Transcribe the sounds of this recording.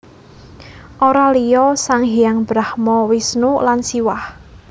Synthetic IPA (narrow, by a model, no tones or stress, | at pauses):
ʔoɾalijɔsaŋɦiaŋb̥ɾahmɔwisnulansiwah